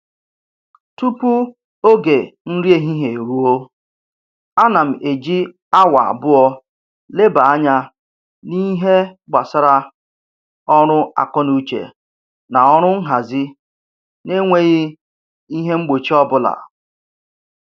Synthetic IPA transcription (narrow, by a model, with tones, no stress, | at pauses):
tu˦pu˦ | o˦ɡe˨n̩˦ɾi˦e˨ɦi˦ɦe˨ɾu˦o˦ | a˦na˨m̩˨ʔe˨d͡ʒi˦ | a˦wa˨a̰˨bʊ˦ɔ˦ | le˦ba˨a˦ɲa˦ | ni˦ɦe˦ɡ͡ba˨sa˦ɾa˦ | ɔ˦ɾʊ˦a̰˨kɔ˦nu˦t͡ʃḛ˨ | na˨ɔ˦ɾ̃ʊ˦ŋ̩˦ɦa˨zɪ˦ | ne˦ŋʷe˦ɣɪ˦ | i˦ɦe˦ŋ͡m̩˦ɡ͡bo˨t͡ʃi˦ɔ˦bʊ˦la̰˨